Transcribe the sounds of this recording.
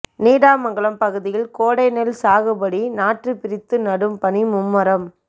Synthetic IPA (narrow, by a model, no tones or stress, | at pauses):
niːɽaːmɐŋɡɐɭɐmpɐɣɯðɪjɪlkoːɽɐɪnɛlsaːɣɯbɐɽinaːʈrɯpɪɾɪt̪ːɯnɐɽɯmpɐɳimʊmːɐɾɐm